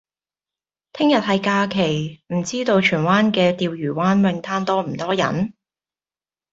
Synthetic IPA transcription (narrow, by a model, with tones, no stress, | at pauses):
t̪ʰɪ˥ŋjɐ˨t̚hɐ˨jkaː˧kʰe˨˩jm̩˨˩t͡siː˥t̪o˧wt͡ʃʰyː˨˩nwaː˥nkɛː˧t̪iː˨˧wjyː˨˩waː˥nwɛ˨˧ŋt̪ʰaː˥nt̪ɔː˥m̩˨˩t̪ɔː˥jɐ̰˨˥n